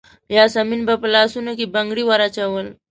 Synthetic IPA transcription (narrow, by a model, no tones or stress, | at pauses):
jasəminbəplasunəkibəŋɡɽiʋaɾat͡ɕaʋəl